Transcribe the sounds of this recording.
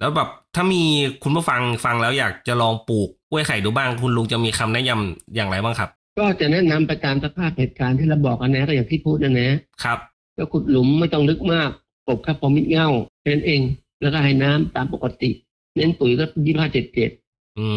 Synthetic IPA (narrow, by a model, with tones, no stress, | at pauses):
lɛː˦˥wbɛː˨˩p̚t̪ʰaː˥˩miː˧kʰu˧nbaː˥˩fa˧ŋfa˧ŋlɛː˦˥wjaː˨˩k̚t͡ɕa˨˩lɔː˧ŋpuː˨˩k̚ʔu˥˩˨jkʰa˨˩jduː˧baː˥˩ŋkʰu˧nlu˧˥ŋt͡ɕa˨˩miː˧kʰa˧mnɛ˦˥ʔja˧mjaː˨˩ŋɾa˧jbaː˥˩ŋkʰa˦˥p̚kɔː˥˩t͡ɕa˨˩nɛ˦˥na˧mpa˧jt̪aː˧msa˦˧˥k̚pʰaː˥˩p̚heː˨˩t̪̚kaː˨˦nt̪ʰiː˥˩ɾa˧wbɔː˨˩k̚ʔa˧nɛː˦˥ɾaː˧˩jaː˨˩ŋt̪ʰiː˥˩pʰuː˥˩ʔa˧˩nɛː˦˥kʰɾa˦˥p̚ | kɔː˥˩kʰu˨˩t̪̚lu˩˦mːa˥˩jt̪ɔ˥˩ŋlɯ˦˥k̚maː˥˩k̚ | po˨˩p̚kʰaː˥˩pʰɔː˨˦mi˦˥t̪̚ŋa˥˩wa˧˩na˦˥nʔeː˧ŋ | lɛː˦˥wkɔː˥˩ɦa˧˩jnaː˦˥mt̪aː˧mpo˨˩kːa˧t̪ḭ˨˩ʔ | ne˦˥npu˨˩˦jkɔː˥˩pjiː˥˩pʰaː˥˩t͡ɕe˨˩t̪̚t͡ɕeː˨˩t̪̚ | ʔɯː˧